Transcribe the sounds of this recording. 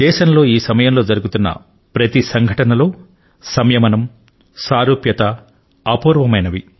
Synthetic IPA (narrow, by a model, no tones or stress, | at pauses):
d̪ɛːʃɐnlo̞ːiːsɐmɐjɐmlo̞ːd͡ʒɐɾuɡut̪unːɐ̰ | pɾɐt̪isɐŋɡʱɐʈɐnɐlo̞ː | sɐmjɐmɐnɐm | saːɾuːpjɐt̪ɐ | ɐpuːɾʋɐmɐjnɐʋi